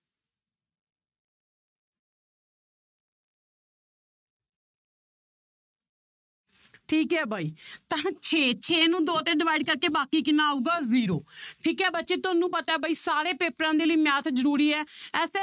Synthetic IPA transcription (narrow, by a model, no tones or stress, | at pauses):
ʈʰiːkɦɛːbʱaːiːt̪ãt͡ʃʰeːt͡ʃʰeːnũːd̪oːt̪ẽːɖɪʋaːiɖkəɾkeːbaːkiːkɪnaːuːɡaːziːɾoːʈʰiːkɦɛːbət̪ːʃeːt̪ʊnũːpət̪aːɛːbʱaːiːsaːɾeːpeːpəɾãːd̪eːliːmjaːt̪ʰd͡ʒəɾuːɾiːɛːɛːs